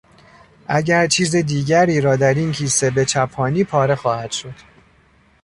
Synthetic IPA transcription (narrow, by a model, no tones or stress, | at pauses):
ʔæɟæɾt͡ʃʰiːzid̪iːɟæɾiːɾɒːd̪æɾincʰiːse̞be̞t͡ʃʰæpʰɒːniːpʰɒːɾe̞xɒːhæd̪̥ʃo̞d̪̥